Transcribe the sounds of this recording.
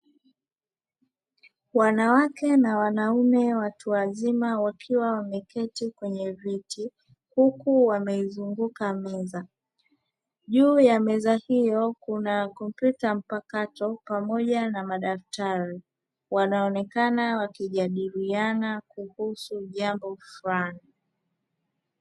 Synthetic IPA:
wanawakɛnawanaumɛwatuwazimawakʰiwawamɛkɛtikwɛɲɛvitʰi | hukuwamɛizuŋɡukamɛza | ʄuːjamɛzahijɔkunakɔmpjutam̩pakatɔpamɔʄanamaɗaftaɾi | wanaɔnɛkanawakiʄaɗiɾianakuhusuʄambɔfulani

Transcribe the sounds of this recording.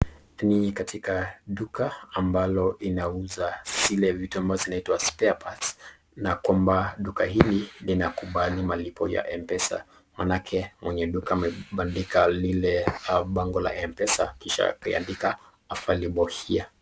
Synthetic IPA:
nikatʰikaɗukaːmbalɔinauzaz̥ilɛvituambavɔzinaitwaspɛapʰat | nakwambaɗukaɦililinakuɓalimalipɔ̰ja̰ʔɛmpɛsa̰ | manakʰɛmwɛɲɛɗukaːmɛɓandikalilɛɓaŋɡɔla̰ɛmpɛsa̰kiʃa̰kaia̰ndika | afaliɓɔhia

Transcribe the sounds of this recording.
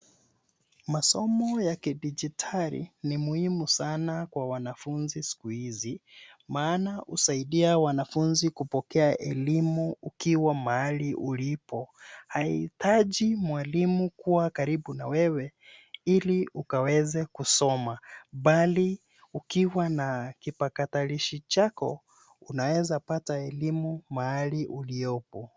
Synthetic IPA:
masɔmɔjakiɗid͡ʒitʰalḭnimuhimusanakwawanafunzisi̥kuhizi | maːnaʔusaiɗiawanafunzikupɔkɛaʔɛ̰limuukiwamaaliʔulipɔhaḭtaʄimwalimukuwakaɾiɓunawɛwɛiliukawɛzɛkusɔmaɓali | ukiwanakipakataliʃit͡ʃakɔ | unawɛzapataɛlimumaaliʔulijɔpɔ

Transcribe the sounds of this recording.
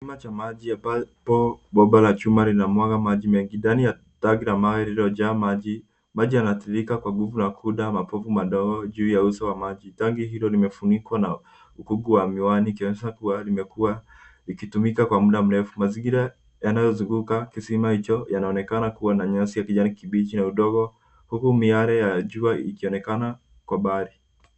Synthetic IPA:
imat͡ʃamaʄijapapɔɓɔɓalat͡ʃumalinamwaɡamaʄimɛŋɡindanija | taɡiɾamawɛɾiɾɔʄaːmaʄi | maʄijanatiɾikakwaɡuvunakʰuɗamapɔvumaɗɔɡɔʄuːjausawamaʄitaŋɡiɦilɔlimɛfunikwana | ukuɡuwamiwaniːkiɔnɛʃakualimɛkuwa | ikitumikakwamuɗam̩ɾɛfumaziŋɡiɾa | janajɔzuŋɡukakisimahit͡ʃɔjanaɔnɛkanakuwanaɲɔsijakiʄanikiɓit͡ʃinauɗɔɡɔ | hukumiaɾɛjaʄuaikiɔnɛkana | kwaɓaɾi

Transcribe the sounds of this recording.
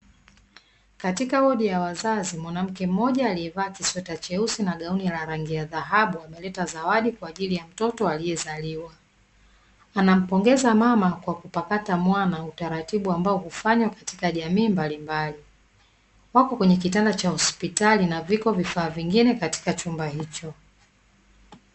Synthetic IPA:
katikahɔɗijawazazimwanam̩kɛm̩ːɔʄaːliɛvaːkiswɛtat͡ʃɛusinaɠaunilaɾaŋɡiaðaɦaɓuamɛlɛtazawaɗikwaːʄilijam̩tɔtɔalijɛzaliwa | anam̩pɔŋɡɛzamamakwakupakatamwanautaɾatiɓuambaɔhufaɲwakati̥kaʄamiːmbalimbali | wakɔkwɛɲɛk̬itandat͡ʃahɔspitalinavikɔvifaːviŋɡinɛkati̥kat͡ʃumbahit͡ʃɔ

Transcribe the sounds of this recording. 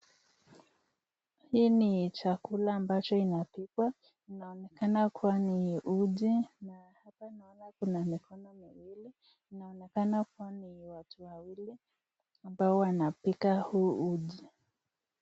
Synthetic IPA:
hiːnit͡ʃakulaːmbat͡ʃɔinapikwa | inaɔnɛkanakʰuwaniʔuʄinahapainaɔnakunamikʰɔnɔmiwili | inaɔnɛkanakuwaniwatuwawili | ambaɔwanapikahuuʄi

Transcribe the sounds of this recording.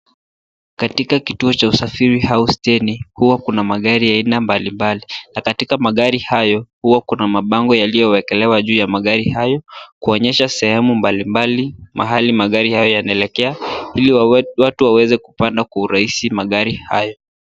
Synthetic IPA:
katikakituɔt͡ʃausafiɾihaustɛnihuwakunamaɠaɾiainambalimbalinakatikamaɠaɾihajɔhuwakunamaɓaŋɡɔjalijɔwɛkɛlɛwaʄuːjamaɠaɾihajɔkuɔɲɛʃasɛhɛmumbalimbalima̰ɦalimaɠaɾihajɔjanaɛlɛkɛailiwatuwawɛzɛkupandakwauɾaisimaɠaɾiha̰jɔ

